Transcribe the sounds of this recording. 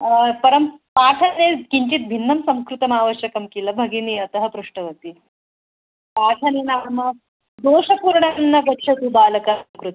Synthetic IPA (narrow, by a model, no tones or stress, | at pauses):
pɐɾɐmpaːʈʰanekiɲt͡ɕit̪̚bʱinːɐmsɐmkɾut̪ɐmaːʋəɕjɐkɐmkiləbʱɐɡiniɐt̪ɐɦəpɾuʂʈɐʋɐt̪iː | paːʈʰɐnenamɐ | d̪oːʂɐpuɾɳanːɐkɐtːɕʰɐt̪ubaːlɐkakɾut̪